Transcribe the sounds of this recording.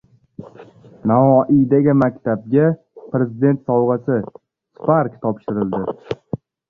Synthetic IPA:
navɒʔijd̪aɡʲɪmakʲt̪ʰab̚ɡʲa | pɾe̞zɪd̪e̞nt̪sɒwʁɑsɪ | spaɾkt̪ʰɒpʃɪɾɪld̪ɪ

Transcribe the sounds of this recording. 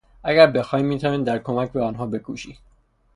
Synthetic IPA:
ʔæɟæɾbe̞xɒːjimːiːt̪ʰæːniːnd̪æɾkʰomæcʰbeɒːnɦɒːbe̞kʰuːʃi

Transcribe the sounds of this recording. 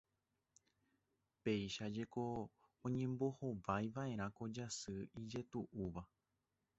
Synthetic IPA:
pe̞jʃad͡ʒe̞ko̞ | õɲẽ̞mbo̞ho̞ʋajʋaʔe̞ɾ̃ãko̞d͡ʒasɨid͡ʒe̞t̪uʔuʋa

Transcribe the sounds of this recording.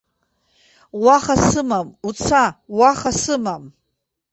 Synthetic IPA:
waχasɨmamut͡sʰawaχasɨmam

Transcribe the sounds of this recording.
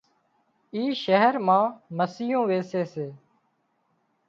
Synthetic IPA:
iːʃəɦəɾmãːməsiːõːʋeːseːseː

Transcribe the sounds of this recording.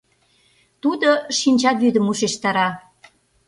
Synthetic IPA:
t̪ud̪oʃinʲt͡ɕɑt̪βyd̪əmuʃeʃt̪ɑɾɑ

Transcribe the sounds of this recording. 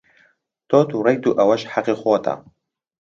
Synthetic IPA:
t̪oːt̪uɾɐjt̪uʔɐwɐʃħaqixoːt̪ʰa̰

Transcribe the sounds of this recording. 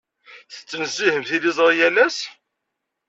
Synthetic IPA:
θə̥t͡sːənəzːihəmθilizˤɾˤjælæs

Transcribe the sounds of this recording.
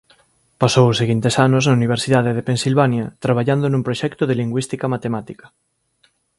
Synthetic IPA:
pasowoseɣint̪esanosnauniβ̞eɾsiðaðeðepensilβanjat̪ɾaβ̞aʎand̪onũmpɾoʃɛkt̪oðeliŋɡwist̪ikamat̪emat̪ikɐ̥

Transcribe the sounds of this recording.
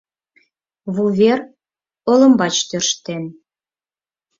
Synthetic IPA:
βuβʲer | olə̆mbɑt͡ɕt̪ørʃt̪en

